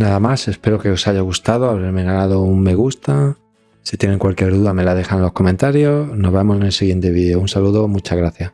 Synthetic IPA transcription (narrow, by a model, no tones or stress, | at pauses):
naðamase̞spe̞ɾoke̞o̞saʝaɣust̪aðoaβɾeɾmeɣalaðo̞umme̞ɣ̞ust̪a | sit̪je̞ne̞ŋkwalkjeɾðuðame̞laðe̞xanlo̞hkoment̪aɾjo̞no̞zβemo̞senelsiɣje̞nt̪e̞βiðeounsaluðo̞mut͡ʃaɣɾaθja